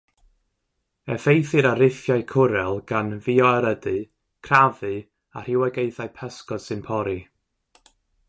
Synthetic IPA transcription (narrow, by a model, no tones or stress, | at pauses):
ɛfejθɨɾaɾɪθjajkʰʊɾɛlˠɡ̥anviɔaɾədɨ | kʰravɨ | a̰r̥ɪwaɡejθaɨpʰɛskɔd̥sɨnpʰɔɾi